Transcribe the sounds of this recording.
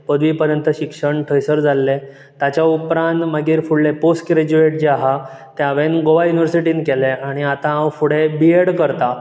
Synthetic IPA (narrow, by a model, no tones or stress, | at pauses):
pəd̪ʱʋiːpəɾjənt̪əɕikʂəɳʈʰəjsəɾd͡zʱalːe | t̪jat͡ɕaupɾãnt̪maɡiːɾfuɽleposʈɡɾed͡ʑueʈ̚d͡ʑeaɦa | t̪jaʋenɡoʋajuniʋəɾsiʈiːnkeleaɽ̃iat̪ãːwfuɽebieɽkəɾt̪a